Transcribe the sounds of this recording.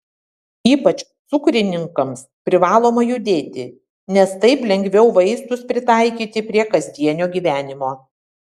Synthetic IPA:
iːpɐt͡ʃt̪sʊkɾʲɪnʲɪŋkɐmspʲɾʲɪʋɑːlˠoːmɐjʊd̪ʲeːt̪ʲɪ | nʲɛst̪ɐɪplʲɛŋʲɡʲʋʲɛʊʋɐɪst̪ʊspʲɾʲɪt̪ɑˑɪkʲiːt̪ʲɪpʲɾʲiɛkɐzʲd̪ʲiɛnʲoːɡʲiːʋʲæːnʲɪmoː

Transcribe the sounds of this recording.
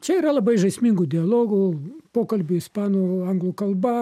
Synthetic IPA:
t͡ʃʲɛiːɾɐlˠɐbɐɪʒɐɪsʲmʲiŋɡʊd̪ʲɪɐlˠoːɡʊpoːkɐlʲbʲʊɪspɑːnoɐŋɡlˠuːkɐlˠbɐ

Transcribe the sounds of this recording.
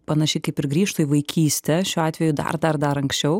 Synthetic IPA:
pɐnɐʃʲɪkɐɪpɪɾɡɾʲiːʃt̪oːjiʋɐɪkʲʰiːsʲt̪ʲɛʃʲuːɑːt̪ʲʋʲɛjʊd̪ɐ̰rd̪ɐrd̪ɐɾɐŋksʲt͡ʃʲɛʊ

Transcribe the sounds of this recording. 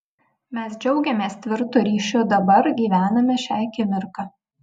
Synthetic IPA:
mʲɛsd͡ʒʲɛʊɡʲɛmʲeːst̪ʲʋʲɪɾt̪ʊːɾʲiːʃʲʊd̪ɐbɐɾɡʲiːʋʲæːnɐmʲɛʃʲæːkʲɪmʲɪɾkɑ

